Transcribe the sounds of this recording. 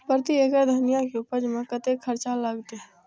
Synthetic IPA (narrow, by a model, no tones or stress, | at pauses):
pəɾət̪ieːkəɾd̪ʱənijakeupəɾd͡ʒmẽkət̪ekʰːəɾt͡ʃaləɡt̪eɦɛ̃